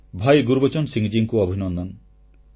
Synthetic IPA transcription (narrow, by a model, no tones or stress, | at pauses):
bʱajɡuɾbɔt͡ʃɔnsiŋd͡ʒiŋkuɔbʱinɔnd̪ɔn